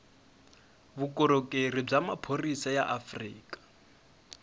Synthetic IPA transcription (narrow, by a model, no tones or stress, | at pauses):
bukʼɔɾokʼerib͡ʐamapʰorisaja̰ʔafriːkʼḁ